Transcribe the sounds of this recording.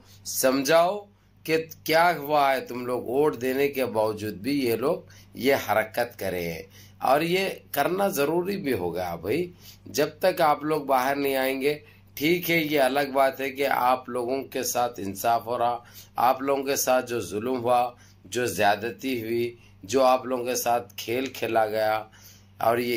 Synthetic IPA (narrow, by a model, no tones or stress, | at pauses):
sɐmd͡ʒʱaːo | kekjaːɦʊaɦɛt̪ʊmloːɡoːʈʰd̪eːnekebaːʋd͡ʒuːd̪̚bʱijeloːɡ̚ | jehɐɾəkət̪kɐɾḛ̃ɦɛ̰̃ | ɔ̰ːɾjekɐɾnazɐɾuːɾibʱiɦo̰ːɡja̰bʱaid͡ʒɐb̚t̪əkaːploːɡ̚baːɦəɾnɐɦĩaːẽːŋɡe | ʈʰiːkɦɛjeɐləɡ̚baːt̪ɦɛkea̰ːploːɡõkesaːt̪ʰɪnsaːfɦoːɾaa̰ːploːɡõkesaːt̪̚ʰd͡ʒoːzʊlmɦua | d͡ʒoːzjaːd̪t̪iɦʊi | d͡ʒoːaːploːɡõkesaːt̪̚ʰkʰeːlkʰeːlaɡɐja | ɔ̰ːɾje